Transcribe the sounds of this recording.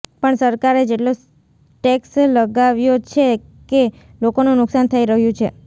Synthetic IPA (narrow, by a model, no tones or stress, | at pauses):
pəɳsəɾkaɾed͡ʒeʈlo | ʈeksləɡaʋjot͡ʃʰe | ke | lokonũnʊksant̪ʰəiɾəɦjũt͡ʃʰe